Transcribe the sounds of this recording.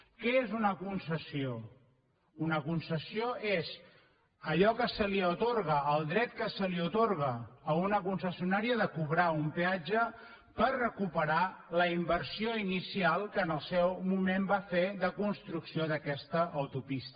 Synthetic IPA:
kɛezunəkunsəsio | unəkunsəsioez | əʎɔkəsəliət̪orɣəːlˠd̪ɾɛt̪̚kəsəliut̪oɾɣəːunəkunsəsiunaɾiəðəkuβɾaumpead͡ʒə | pərrəkupəɾaləimbərsioinisialˠkəːnəlˠsɛwmumembafeðəkunst̪ɾuksioðəkɛst̪əʔəwt̪upist̪

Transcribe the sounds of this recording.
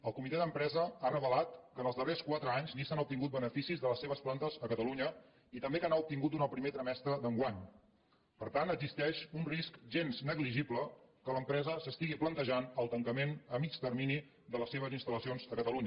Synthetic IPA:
əlˠkumit̪ɛðəmpɾɛzəarəβəlat̪kənəlˠzðəreskwat̪ɾəaɲznisanup̚t̪iŋɡut̪̚bənəfisizðələsːeβ̞əsplant̪əzəkət̪əluɲə | it̪əmbekanaup̚t̪iŋɡut̪unəlˠpɾimet̪ɾəmɛst̪ɾəðəŋɡwaɲ | pəɾt̪ant̪əɡzist̪ɛʃunriskʒenznəɣliʒipləkələmpɾɛzəsəst̪iɣiplənt̪əʒanəlˠt̪əŋkəmenəmit͡ʃt̪ərmini | d̪ələseβ̞əzinst̪ələsionzəkət̪əluɲə

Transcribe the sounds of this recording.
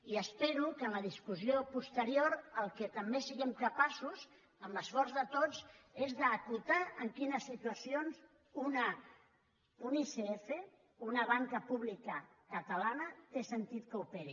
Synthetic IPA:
iəspeɾukənləð̞iskuziopust̪əɾioɾəlˠkət̪əmbesiɣɛmkəpasuz | əmləsfɔɾzðət̪od͡zezðəːkut̪aəŋkinəsːit̪uəsionz | una | uniseefe | unəβ̞aŋkəpuβlikəkət̪əlanət̪esənt̪it̪kəupeɾi

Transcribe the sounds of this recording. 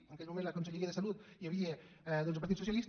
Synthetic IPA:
ənɐkelmumẽntlakonseʎeɾiaðesalut̪jaβie | ðolns̬paɾt̪itsusjalis

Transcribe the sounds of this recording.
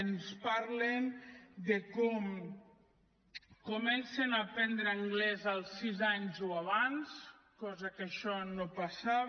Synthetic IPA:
nspaɾlend̪əkɔm | komɛnsenapɛnd̪ɾəːŋɡlɛzəlˠsizaɲzoaβans | kɔzəkəʃɔnopasaβ

